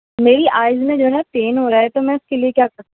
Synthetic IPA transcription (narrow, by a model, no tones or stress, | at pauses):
meːɾiʔaːɪzmẽd͡ʒoːɛnaʈeːnɦoːɾaɦɛt̪omɛ̃ʊskeliekjaːkɐɾt̪ː